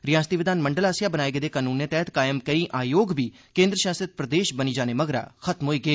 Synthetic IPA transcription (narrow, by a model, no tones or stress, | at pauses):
ɾɪjãːst̪iːʋɪd̪aːnməɳɖəlaːsjaːbənaːeːɡeːd̪eːkaːnuːnːeːt̪ɛːt̪kaːjəmkəiːʔaːjoːɡbiː | kẽːnd̪ɾəʃaːsət̪̚pɾəd̪eːʃbəniːd͡ʒaːneːməɡɾa̰ːxʰət̪mɦoːiːɡeː